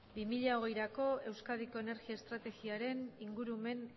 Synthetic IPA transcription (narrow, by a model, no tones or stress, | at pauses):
bimiʎao̞ɣ̞e̞jɾako̞e̞wskað̞iko̞ene̞ɾɣiaest̪ɾat̪e̞ɣiaɾe̞niŋɡuɾume̞n